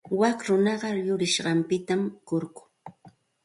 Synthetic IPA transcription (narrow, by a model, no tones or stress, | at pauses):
wakɾʊnɑɢɑjʊɾɪʃɢɑmpɪt̪amkʊɾkʊ̥